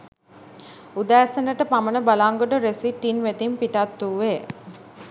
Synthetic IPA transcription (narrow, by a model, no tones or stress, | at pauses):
ud̪æːsənəʈəpamənəbalaŋɡoʈoɾesiʈːinʋet̪impiʈat̪ːuːʋe